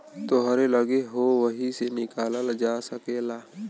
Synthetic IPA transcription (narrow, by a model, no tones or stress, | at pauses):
t̪oɦəɾeləɡeɦoʋəɦisenɪkaːlald͡ʒaːsəkeːlaː